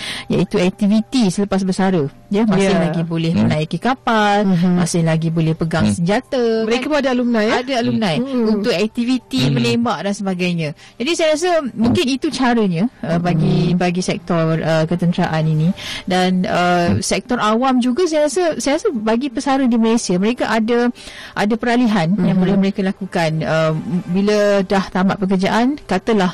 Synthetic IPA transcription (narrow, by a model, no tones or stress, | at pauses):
ja̰it̪uɛk̚t̪ivit̪isələpas̬bəsaɾə | jəmãsɪlaɡibolɛhmənaikikapalmasɪhlaɡibolɛhpəɡaŋsəɲd͡ʒat̪aməɾekabadaalumnajadaalumnãjunʊk̚ɛk̚t̪ivit̪iməlembaʔdansəbaɡajɲã | d͡ʒadisajɾas̬əmũŋkɪnit̪ut͡ʃaɾəɲaəbaɡibaɡisɛk̚t̪ɔrrəkət̪ənt̪ɾaʔaninidanəsɛk̚t̪ɔrʔawamd͡ʒuɡas̬ajɾasəsajɾasəbaɡipəsaɾədiməlesiaməɾekaʔadaʔadapəɾaliɦanjaŋbolɛhməɾekalakukanəbilədaht̪ama̰ʔpək̬ərd͡ʒaʔankat̪əlah